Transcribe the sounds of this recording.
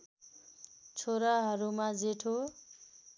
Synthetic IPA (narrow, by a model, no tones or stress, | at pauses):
t͡sʰoɾaɦʌɾumad͡zeʈʰo